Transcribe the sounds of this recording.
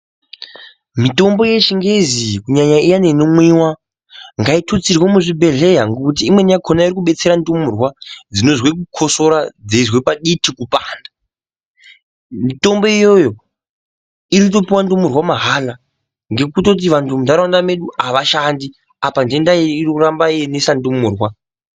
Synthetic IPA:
mito̞mbo̞je̞t͡ʃiŋɡe̞zikuɲaɲaijane̞nomwiwa | ŋɡaitʰot͡sirwomuʐibʱe̞ɮe̞ɦaŋɡokut̬iːmwe̞nakʰonaiɾikuɓe̞t͡se̞ɾandumurwad͡zino̞zwek̬ukʰo̞so̞ɾad͡zezwe̞paɗitʰikupaːnda | mito̞mbo̞ijo̞jo̞ | iɾikuto̞piwandumurwamaɦala | ŋɡe̞kuto̞t̬iʋantʰumudaɾandame̞ɗuaʋaʃandi | apande̞ndajeirikurambajenesandumuːrwa

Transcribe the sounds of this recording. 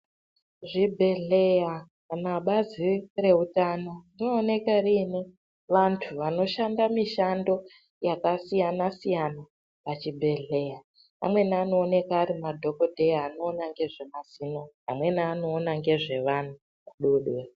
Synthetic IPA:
ʐibʱe̞ɮe̞ja | naɓazire̞utaːnarino̞ːne̞karine | ʋantʰuʋano̞ʃandamiʃando̞ | jakasijanasijana | pat͡ʃibʱe̞ɮe̞ja | pa̰mwe̞naano̞ːne̞kaːɾimadʱo̞ko̞dʱe̞jaːno̞ːnaŋɡe̞ʐe̞masino̞ | amwe̞naːno̞ːnaŋɡe̞ʐe̞ʋan̤u | kuɗuɗwe

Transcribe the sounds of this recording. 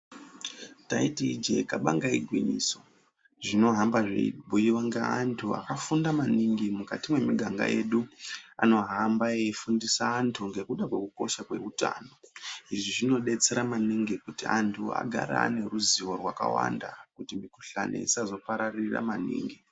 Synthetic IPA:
taitid͡ʒe̞kaɓaŋɡaiɡʱwinḭso̞ | ʐino̞ɦambaʐḛibʱujiwaŋɡeantʰua̰kafundamaniŋɡimukatimwe̞miɡʱaŋɡa̰je̞ɗua̰no̞ɦambaefundisaːntʰuŋɡe̞kuɗakwe̞kuko̞ʃakwe̞̰uta̰ːno̞iʐiʐino̞ɗe̞t͡se̞ɾamaniŋɡikutiantʰua̰ɡʱa̰ɾa̰ːne̞ɾuziwo̞rwaka̰wa̰ndakutimiku̥ɬa̰ne̞̰isazo̞paɾarira̰manḭːŋɡi

